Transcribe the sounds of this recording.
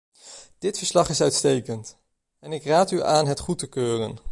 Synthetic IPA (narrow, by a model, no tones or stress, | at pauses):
d̥ɪtfəɹslɑχɪsœɥtstejkənt | ɛnɪkraːtyaːnɦɛtχutəkøːrə̰n